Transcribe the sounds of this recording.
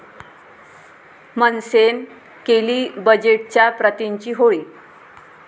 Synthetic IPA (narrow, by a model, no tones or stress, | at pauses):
mənsen | keliːbəd͡ʑeʈ̚t͡ɕjapɾət̪iɲt͡ɕiːɦoi